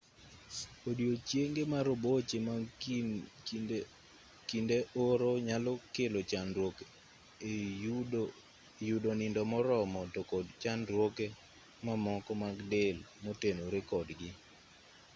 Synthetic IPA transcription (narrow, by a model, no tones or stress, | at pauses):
kodjot͡ʃjeŋɡemaɾobot͡ʃema | kindeʔoɾoɲalɔkelot͡ʃanɾwok | judonɪndɔmɔɾɔmɔtokɔdt͡ʃanɾwoke | mamɔkɔmaɡdelmotenoɾekɔdɡɪ